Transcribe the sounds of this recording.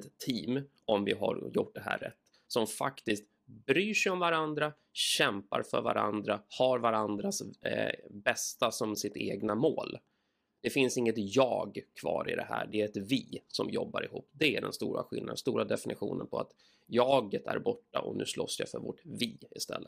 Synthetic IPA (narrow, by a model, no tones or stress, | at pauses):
t̪ʰːiːm | ɔmvɪɦaɾjʊʈ̚ɖ̪ɛɦæ̰ːrɾɛt̪ː | sɔmfakt̪ɪst̪ | bɾyːʂɛjɔmvaɾand̪ɾa | ɕɛmpaɾfœɾvaɾand̪ɾahaɾvaɾand̪ɾas | bɛst̪asɔmsɪt̪eːɡnamoːl | d̪̥ɛfɪnsɪŋːət̪jɑːɡkʰvɑːɾɪd̪ɛɦæ̰ːɖɛæɾɛt̪viːsɔmjɔbːaɾɪhuːpːd̪ɛæɖɛnst̪uːɾaɧɪlnad̪ənst̪uːɾad̪ɛfɪnɪɧuːnənpʰɔat̪ | jɑːɡət̪ʰæɾbɔʈːaʔɔnʉ̟ːsloːsjafœɾvɔʈviːɪst̪ɛlːə